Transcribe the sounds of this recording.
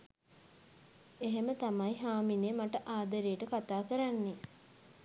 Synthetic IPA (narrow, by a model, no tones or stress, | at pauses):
eɦemət̪amajɦaːminemaʈəʔaːd̪əɾejəʈəkat̪aːkəɾanːe